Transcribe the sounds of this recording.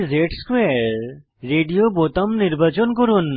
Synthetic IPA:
zeʈskweaɾɾː | eɖijobot̪əmniɾbat͡ɕɔnkoɾun

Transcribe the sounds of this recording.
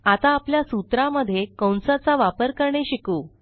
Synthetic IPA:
at̪aːpljasut̪ɾaməd̪ʱːjekəwnsat͡saʋapəɾkəɾɳeɕikuː

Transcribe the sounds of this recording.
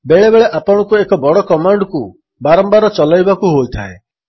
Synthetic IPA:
beɭebeɭeʔapɔɽ̃ɔ̃kuekɔbɔɽɔkɔmaɳɖku | baɾɔmbaɾɔt͡ʃɔlajbakuɦojt̪ʰa̰e

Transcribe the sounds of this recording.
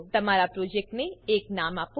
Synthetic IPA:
t̪ɐmaːɾapɾoːd͡ʒɛk̚ʈnẽeːknaːmaːp

